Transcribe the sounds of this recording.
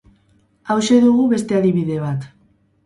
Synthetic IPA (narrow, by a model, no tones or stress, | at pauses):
awʃe̞ðuɣ̞uβe̞st̪e̞aðiβiðe̞β̞at̪